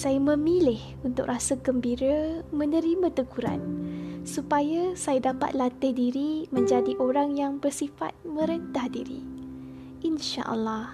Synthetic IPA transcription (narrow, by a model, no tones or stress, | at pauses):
sajamə̃milɪh | unt̪ʊk̚rasaɡəmbiɾamə̃nə̃ɾimãt̪əkuɾa̰nsupajasajadapa̰t̪̚lat̪ɪhdiɾimə̃ɲd͡ʒadiʔoɾaŋjaŋbərsifa̰t̪̚mə̃ɾənt̪ahdḭɾḭ | ʔinʃa̰ʔə̰lːɑh